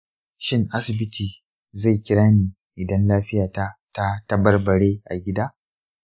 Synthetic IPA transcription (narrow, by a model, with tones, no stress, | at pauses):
ʃɪ˦ŋʔa˦sɪ˨bɪ˦tʰiː˨ | za˦˨jkʲɪ˦ɾaː˦neː˨ | ʔɪ˨dɐ˦nlaː˦ɸɪ˦jaː˨ta˦ta˦tɐ˦bɐ˦rbɐ˨ɽeː˦ʔa˨ɡʲɪ˦daː˦